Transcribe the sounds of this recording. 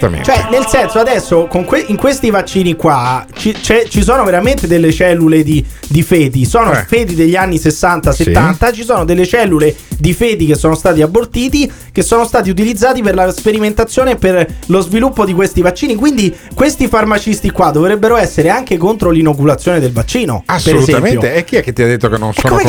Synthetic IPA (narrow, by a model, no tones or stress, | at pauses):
t͡ʃoɛnelsɛnsoad̪ɛsːokoŋkweiŋkwest̪ivat͡ʃːiːnikwat͡ʃit͡ʃɛt͡ʃis̬oːnoveɾament̪ed̪elːet͡ʃɛlːuled̪i | d̪ifɛːd̪isoːnofeːd̪id̪eʎːianːisesːant̪aset̪ːant̪at͡ʃisoːnod̪elːet͡ʃɛlːuled̪ifeːd̪ikesːoːnost̪aːt̪̬iabːort̪iːt̪i | kesːoːnost̪aːt̪̬iut̪̬ilid̪zːaːt̪iperlaspeɾiment̪at̪sjoːneperlozvilupːod̪ikwest̪ivat͡ʃːiːnikwind̪ikwest̪ifarmat͡ʃist̪ikwad̪ːovɾebːeɾoɛsːeɾeaŋkekont̪ɾolinok̬ulat̪sjoːned̪elvat͡ʃːiːno̰asːpeɾeuzɛamepjot̪eɛkːiɛkːet̪ːiad̪ːet̪ːokenːo̰nsɛokːome